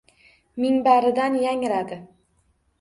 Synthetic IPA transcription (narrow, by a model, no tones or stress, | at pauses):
mɪŋbaɾɪd̪anjaŋɾad̪ɪ